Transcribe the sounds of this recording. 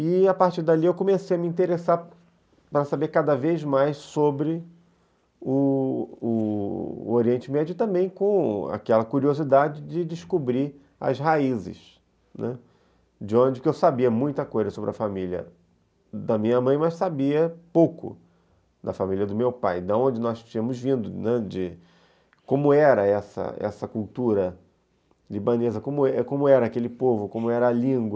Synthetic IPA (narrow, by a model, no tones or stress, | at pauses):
ɪapaɾt͡ʃiɾd̪aliewkõmesejɐmĩt̪eɾesa | pɾɐsabekad̪ɐvejzmajssobɾɪ | ʊ | ʊ | oɾiẽnt͡ʃɪmɛd͡ʒʊɪt̪ɐ̃mbẽj̃kõa̰kɛlɐkuɾiozid̪ad͡ʒɪd͡ʒɪd͡ʒɪʃkubɾi | ɐ̰zɦaizɪ̰ʃ | nɛ | d͡ʒɪõd͡ʒɪkɪewsabiɐmũj̃t̪ɐkojzɐsobɾɐfamiljɐ̰ | d̪ɐmĩɲɐmɐ̃j̃mɐssabiɐpowkʊ̰ | d̪ɐfamilʲiɐd̪ʊmewpajd̪ɐõd͡ʒɪnɔst͡ʃĩɐ̃mʊzvĩnd̪ʊnɛd͡ʒɪ | kõmʊɛɾɐɛsɐ̰ɛ̰sɐkult̪uɾɐ | libɐ̃nezɐkõmʊkõmʊɛɾɐaːkelɪpovʊkõmʊɛɾɐːlĩɡwɐ